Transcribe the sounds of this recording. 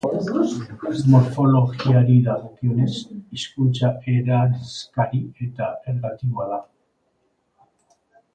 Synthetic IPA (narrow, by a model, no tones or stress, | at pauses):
zmoɾfo̞lo̞ɣiaɾiðaɣokione̞siskut͡ʃaeɾaɾeskaɾie̞t̪aeɾɣat̪iɣoaða